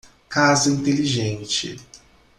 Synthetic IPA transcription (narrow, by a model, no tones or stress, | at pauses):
kazɐĩnt̪eliʒẽnt͡ʃɪ̰